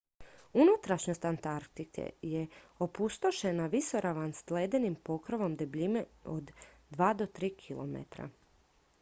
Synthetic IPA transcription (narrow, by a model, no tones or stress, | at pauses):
unut̪ɾaʃɲost̪ant̪aɾkt̪ikʰḛjeopust̪o̞ʃe̞naʋiso̞ɾʔaʋanst̪leːd̪enimpo̞kɾoʋo̞md̪ebʎimeod̪ː | ʋaːd̪o̞t̪ɾiːkʰilo̰mḛt̪ɾa̰